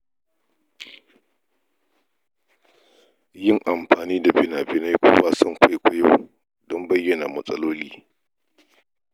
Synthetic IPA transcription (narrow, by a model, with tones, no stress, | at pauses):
jɪ˦˨ŋʔa˨mɸaː˨niː˦da˨bɪ˦naː˨bɪ˦na˦jkʷo̰ː˦waː˦sɔ˦˨ŋkʷa˦jkʷʊ˦jo̰˦˨ | dɔ˦mbɐ˦jːɐ˨naː˨mɐ˨sʼɐ˦loː˦liː˦